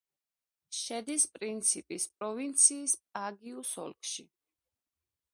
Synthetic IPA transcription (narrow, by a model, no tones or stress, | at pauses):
ʃɛd̪ispʼɾint̪sʰipʼispʼɾɔvint̪sʰiːspʼaɡiusɔ̰lˠkʼʰʃi